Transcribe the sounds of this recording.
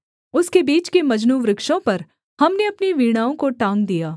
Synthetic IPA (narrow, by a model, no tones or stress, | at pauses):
ʊskebiːt͡ʃkemɐd͡ʒnuːʋɾɪkʃõpɐɾ | hɐmneɐpniʋiːɽ̃aːõkoʈãːŋɡ̚d̪ijaː